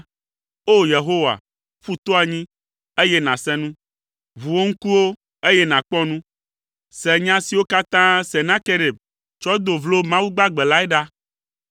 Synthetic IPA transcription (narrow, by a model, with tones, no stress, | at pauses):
o˦je˨ɦo˦wa̰˨ | ɸu˦t̪o˦a˨ɲĩ˦ | e˦jɛ˦nã˨sɛ̃˦nũ˦ | vu˨wo˦ŋ̩˦ku˦wo˦ | e˦jɛ˦nã˨k͡pɔ̃˦nũ˦ | sɛ˨ɲã˦si˨wo˦ka˦t̪ã˦sɛ˨nã˦ke˦ɖe˨b | t͡ʃɔ˦d̪o˨vlo˦mã˦wu˦ɡ͡ba˦ɡ͡bɛ˨la˦ɛ˦ɖa˦